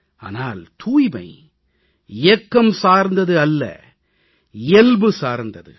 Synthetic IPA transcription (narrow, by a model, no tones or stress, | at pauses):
a̰ːnaːlt̪ʰuːjbɐ̰ɪ | ɪjɛkːɐmsaːɾnd̪ɐðɯɐlːɐ̰ | ɪɛlbɯsaːɾnd̪ɐðɯ̰